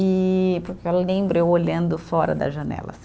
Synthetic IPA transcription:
ɪpʊɾkelẽbɾʊewoʎɐ̃nd̪ʊfɔɾɐ̰d̪ɐ̰ʒɐ̃nɛ̰lɐ̰s

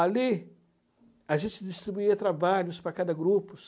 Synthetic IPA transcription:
ali | aʒẽnt͡ʃɪd͡ʒist̪ɾibuiɐt̪ɾabaʎʊspɾɐkad̪ɐɡɾupʊs

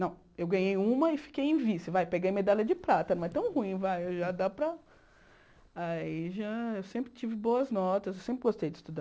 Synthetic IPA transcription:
nɐ̃w̃ | ewɡɐ̃ɲejũmɐɪfi̥kejẽj̃visɪvajpeɡejmed̪alʲɐd͡ʒɪpɾat̪ɐnɐ̃w̃ɛt̪ɐ̃w̃huĩvajewʒad̪apɾɐ | aiʒaewsẽmpɾɪt͡ʃivɪboɐznɔt̪ɐzewsẽmpɾɪɡost̪ejd͡ʒɪst̪ud̪a

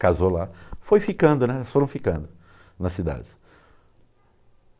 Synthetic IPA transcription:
kazolafojfikɐ̃nd̪ʊnɛsfoɾɐ̃w̃fikɐ̃nd̪ʊ | nɐsid̪a̰d͡ʒɪ

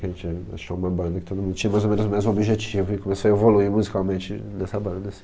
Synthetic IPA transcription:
kɐʒẽt͡ʃa̰ʃkɛũmɐbɐ̃nd̪ɐkɪt̪od̪ʊmũd̪ʊt͡ʃĩɐmajzomẽnʊzomẽnʊzũobiʒet͡ʃivʊɪkomesoɐevoluimuzikawmẽnt͡ʃɪnɛsɐbɐ̃nd̪ɐsĩ̥

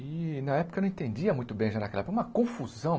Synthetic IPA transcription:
ɪnɐɛpʊkɐñẽt̪ẽnd͡ʒiɐmũj̃t̪ʊbẽj̃ʒanɐkɛlɐɛpʊkũmɐkõfuzɐ̃w̃

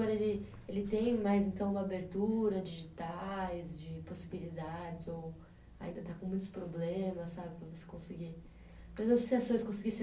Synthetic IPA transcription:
ɔɾɐelɪ | elɪt̪ẽj̃majzẽnt̪ɐ̃w̃ũmɐabeɾt̪uɾɐd͡ʒiʒit̪ajzd͡ʒɪposibilid̪ad͡ʒɪzow | a̰ĩnd̪ɐt̪akõmũj̃t̪ʊspɾoblẽmɐsːabɪpɾɐvose̥kõsiɡi | poɾezẽsɪɐskojɪskõsiɡis

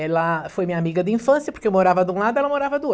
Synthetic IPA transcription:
ɛlɐfojmiɲamiɡɐd̪ɪĩfɐ̃sjɐpoɾkeewmoɾavɐd̪ɪũlad̪ʊɛlɐmoɾavɐd̪ɪo

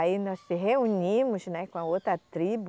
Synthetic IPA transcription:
ainɔssɪɦeuɲĩmʊsnɛkõɐowt̪ɾɐt̪ɾibʊ

